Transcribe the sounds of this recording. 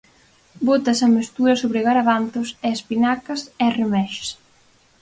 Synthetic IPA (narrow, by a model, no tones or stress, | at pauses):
bot̪ɐsɐmest̪uɾɐsoβɾeɣaɾaβanθosɛespinakɐsɛremɛʃs